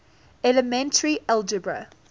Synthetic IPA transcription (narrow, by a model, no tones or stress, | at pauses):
ɛləmɛ̃ntʰəɹiɛld͡ʒəbɹə̰